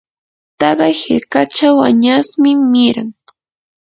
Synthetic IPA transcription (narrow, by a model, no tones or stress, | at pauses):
t̪ɑɢɑjhɪɾkat͡ʃawa̰ɲasmɪmɪɾaŋ